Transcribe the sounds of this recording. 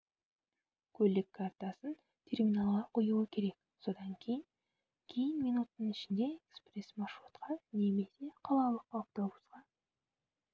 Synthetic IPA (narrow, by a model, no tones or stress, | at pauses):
kʲʰɵlɪkʰːɑrt̪ɑsən | t̪ʲʰe̞rmʲinɑlˠʁɑqʰojuəkʲʰe̞ɾe̞k̚ | so̞d̪ɑŋkʲʰe̞jɪn | kʲʰe̞jɪnminut̪ənənɪʃɪnd̪e̞ekspresmɑʃːut̪qɑne̞me̞se̞qʰɑlˠɑlˠəqop̚t̪o̞busqɑ